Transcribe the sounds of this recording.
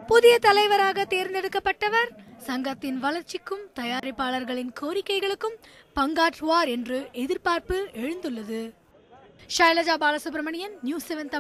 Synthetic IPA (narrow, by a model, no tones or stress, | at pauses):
pʊðɪjɐt̪ɐlɐɪʋɐɾaːɣɐt̪eːɾnd̪ɛɽɯkːɐpːɐʈːɐʋɐɾsɐŋɡɐt̪ːɪnʋɐlɐɾt͡ʃɪkːɯmt̪ɐjaːɾɐɪpːaːɭɐɾɣɐɭɪnkʰoːɾɪkːɐɪɣɐɭɯkːɯmpɐŋɡaːʈɯʋaːɾɛndrɯʔɛðɪɾpaːɾpɯɛɻɯnd̪ɯɭːɐðɯ | ʂaːɪlɐd͡ʒaːbaːlɐsɯp̬ɾɐmɐɳɪjɐnnjuːseʋɛnt̪ɐ